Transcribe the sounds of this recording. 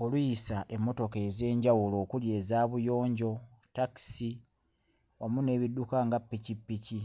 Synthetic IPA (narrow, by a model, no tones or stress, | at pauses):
olujisaʔe̞mːo̞to̞ke̞ze̞ːɲɟawulo̞ːkulje̞ːzaːβujo̞ːɲɟo̞ | taki̥si | wamune̞ːβidukaŋɡapːicipːici